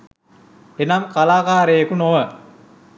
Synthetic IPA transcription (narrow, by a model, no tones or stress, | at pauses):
enamkalaːkaːɾəjɐkunoʋə